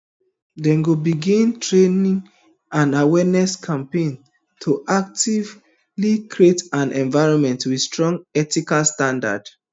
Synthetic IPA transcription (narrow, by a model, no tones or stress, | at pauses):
dɛ̃nɡobiɡĩntʰɹenĩŋ | ãnawɛnɛskʰãmpẽn | tʰoʔak̚tiv | likɹietãnɛ̃nvaɪɹɔ̃nmɛ̃ntwi̥stɹɔ̃ŋɡɛtikalstãnda̰d̥